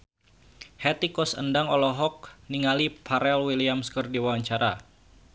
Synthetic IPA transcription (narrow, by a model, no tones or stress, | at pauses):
hɛt̪ikɔsə̰ndaŋɔlɔɦɔk̚niŋalipʰaɾɛlwiliamskərdiwawaɲt͡ʃaɾa̰